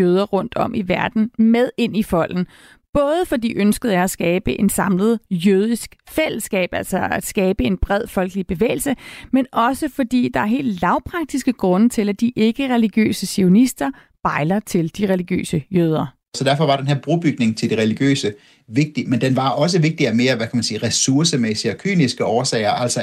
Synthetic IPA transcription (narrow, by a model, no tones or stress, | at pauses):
jøːð̞ˠɐʁɔ̽n̰d̥ɒ̽mʔiʋæɐd̥n̩með̞ˠe̝n̰ifɒ̽l̰n̩ | b̥ɔ̽ːð̞ˠəfɒ̽d̥ḭːʔønsɡ̥əð̞̩ˠjaæsɡ̥ɛːb̥əʔe̝nsɑ̈mləð̞̩ˠjøð̞ˠisɡ̥fel̰əsɡ̥ɛ̰ːb̥ælsɐæd̥sɡ̥ɛːb̥əe̝nb̥ʁɛð̞̰ˠfɒ̽lɡ̥əlib̥e̝ʋḛːɪl̩səmenɒ̽səfɒ̽d̥ḭːd̥ɑ̈æɐɦe̝̰ːld̥lɑ̈ʊpʰʁɑ̈ɡ̥̚d̥isɡ̥əɡ̥ʁɔ̽nət͡sʰe̝læd̥iʔe̝ɡ̥əʁɛliɡ̥jø̰ːsəsio̝nisd̥ɐ | b̥ɑ̈ɪlɐt͡sʰe̝ld̥iʁɛliɡ̥jø̰ːsəjøð̞ˠɐ | sɒd̥æɐfɒ̽ʋɑ̈d̥enheɐ̰b̥ʁub̥yɡ̥ne̝ŋt͡sʰe̝ld̥iʁɛliɡ̥jø̰ːsə | ʋe̝ɡ̥̚d̥imend̥enʋɑ̈ʔɒ̽s̬əʋe̝ɡ̥̚d̥iæme̝ːɐʋækʰæmænsiːʁɛsuɐsəmesiɒkʰy̰ːnisɡ̥əʔɒːsɛɪɐʔæl̰sɐ